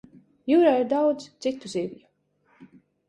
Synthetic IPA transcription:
juɾaːiɾd̪awd̪zt̪sit̪ːuziːvju

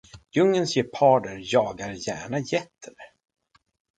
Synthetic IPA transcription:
jɵŋːənsjɛpʰɑːɖəɾjɑːɡaɾjæ̰ːɳajɛt̪ʰːəɾ

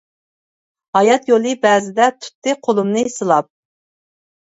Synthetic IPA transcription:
hɑjɑt̪jolˠɨbɛːzɪd̪ɛt̪ʰu̥t̪ːɨqʰolˠumnɨsɨlˠɑp̚

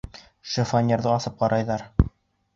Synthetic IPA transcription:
ʃɘfanʲeɾðɤɑsɤp̚qɑɾʔɑjðɑɾ

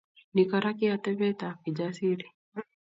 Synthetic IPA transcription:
nikaɾakiatɛβɛtakid͡ʒasiɾi

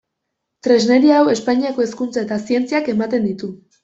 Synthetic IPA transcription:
t̪ɾe̞zne̞ɾiawe̞spaɲiako̞e̞skunt͡sae̞t̪asie̞nt͡siake̞mat̪e̞nd̪it̪u

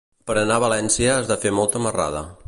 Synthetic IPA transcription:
pəɾənaβəlɛnsiəːzðafemɔlˠt̪əməra̰ðə̰

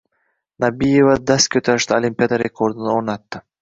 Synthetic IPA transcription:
nabijevad̪askʲʰɵt̪aɾɪʃt̪aolʲimʲpʲiad̪aɾekʰoɾd̪unoɾnɑt̪ːɪ

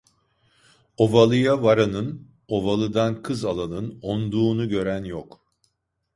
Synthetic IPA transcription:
o̞valˠɯjavaɾanɯn | o̞valˠɯd̪ankʰɯzalˠanɯnond̪uːnuɟø̞ɾænjɔk

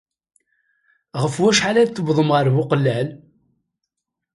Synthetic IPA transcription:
ʁəfwæʃħalæðθəbðˤəmʁəɾvʊqlːæl

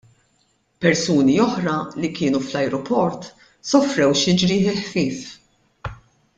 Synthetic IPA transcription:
pɛɾsuːniɔħɾɐlikɪːnuflɐjɾɔpɔɾt̪ | sɔfɾɛwʃɪd͡ʒɾiɪlħfɪːf

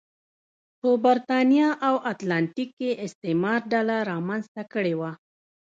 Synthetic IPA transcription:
pəbaɾt̪ɑnjɑʔawat̪lanʈikːeʔɪst̪emɑɾɖalaɾɑmanzt̪akəɽewa

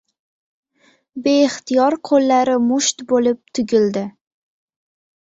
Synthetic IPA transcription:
be̞ɪχt̪ʰijɒɾqʰolːaɾɪmʊʃt̪bolɪp̚t̪ʰʊɡʲɪld̪ɪ

